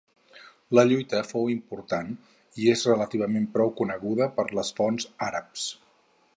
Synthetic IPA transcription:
ləʎujt̪əfowimpuɾt̪an | iezrələt̪iβ̞əmempɾɔwkunəɣuðəpəɾləsfɔnzaɾəps

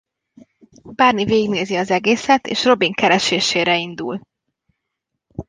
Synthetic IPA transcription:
baːrniveːiɡneːziɒzɛɡeːsɛt̪ḛːʃro̞biŋkɛɾɛʃeːʃeːɾɛind̪ṵl

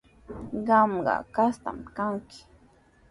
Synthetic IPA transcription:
ɢɑmɢɑ̰kast̪a̰mkaŋkɪ̥

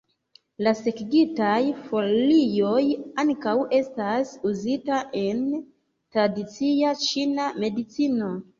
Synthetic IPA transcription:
lase̞kɡitajfo̞lijo̞jaŋkawe̞stasuzitaʔe̞n | tɾadit͡siat͡ʃiname̞dit͡sino̞

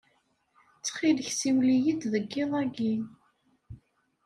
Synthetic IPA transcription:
t͡sːχiləçsiwlijid̪ðəɡːɪðˤæɡi

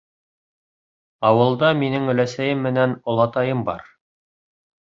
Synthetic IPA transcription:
ɑwɤ̆lˠd̪ɑminɘŋɵ̆læsæjɘmːɘ̆nænŏlˠɑt̪ɑjɤmbɑ̰ɾ

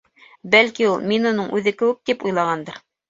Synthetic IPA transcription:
bælkiulˠminŏnɤɴʔʉðɘkɘ̆wɘk̚t̪ipujlˠɑʁɑnd̪ɤɾ

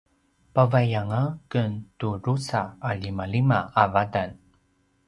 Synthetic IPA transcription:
pavajaŋakəntuɾusaalimalimaavadan

